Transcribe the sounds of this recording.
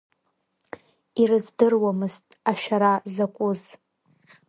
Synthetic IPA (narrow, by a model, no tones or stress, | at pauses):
irɨzdɨrwamɨztʼaʃᶣaɾazakʷʼʊz